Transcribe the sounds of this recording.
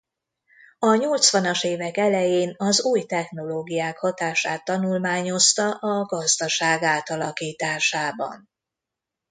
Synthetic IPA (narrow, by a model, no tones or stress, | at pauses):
ɒɲolt̪sʋɒnɒʃeːvɛkɛlɛjeːnɒzuːjt̪ɛxno̞loːɡijaːkhɒt̪aːʃaːt̪ːɒnulmaːɲo̞st̪ɒʔɒɡɒzd̪ɒʃaːɡaːt̪ɒlɒkiːt̪aːʃaːbɒ̰n